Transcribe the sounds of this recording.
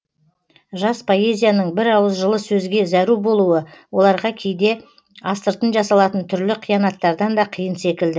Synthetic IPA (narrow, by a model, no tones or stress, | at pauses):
ʒɑspʰo̞e̞zʲijanəɴbɪɾɑwəzʒəlˠəsɵzɡʲe̞zæɾubo̞lˠuəwo̞lˠɑɾʁɑkʲʰe̞jd̪e̞ | ɑst̪əɾt̪ənʒɑsɑlˠɑt̪ənt̪ʰʏɾlɪqʰijɑnɑt̪ːɑɾd̪ɑnd̪ɑqʰijənse̞kʲɪld̪ɪ